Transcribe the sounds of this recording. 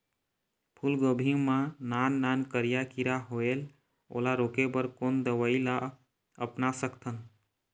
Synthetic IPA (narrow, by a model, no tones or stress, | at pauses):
pʰulɡəbʱĩmãnanːankəɾijakiɾaɦoel | o̰ːlaɾoːkebəɾkond̪əʋəila | əpnasəkʰt̪ʰən